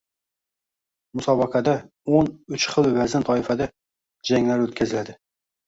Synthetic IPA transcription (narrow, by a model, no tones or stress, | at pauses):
mʊsɒbɑqʰad̪a | onʊt͡ʃχɨlˠvazɪnt̪ʰɒɪfad̪a | d͡ʒaŋlaɾɵt̪̚kʲʰazɪlad̪ɪ